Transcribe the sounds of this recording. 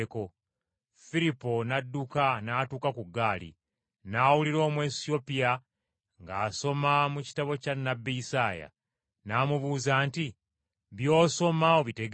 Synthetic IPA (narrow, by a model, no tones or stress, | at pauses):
ko̞ | filipːo̞nadːukanaːtuːkakuɡːaːlḭ | naːwuliɾo̞ːmwe̞ːsio̞pia | ŋɡaːso̞mamuci̥taβo̞canːabːiisaːja̰ | naːmuβuːzaːnti | βjo̞ːso̞mawoβite̞ɡ